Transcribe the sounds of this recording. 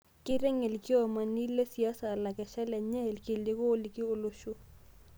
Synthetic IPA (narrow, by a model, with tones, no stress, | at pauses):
kɪ˦ɾɛ˦ŋe˨lki˦ɔ˨ma˨ni˦le˦si˨a˦sa˨la˨kɛ˨ʃɛ˦lɛ˨ɲɛ˦˨lkɪ˨le˦koː˦li˨ki˦o˦lo˦ʃo˦